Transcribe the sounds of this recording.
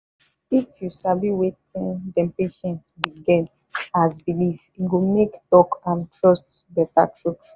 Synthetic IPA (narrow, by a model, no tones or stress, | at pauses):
ifjusabiwetĩndɛ̃mpeʃɛ̃ntbiɡɛnt | azbiliviɡomektɔkãntɹɔstbɛta̰tʰɹɔks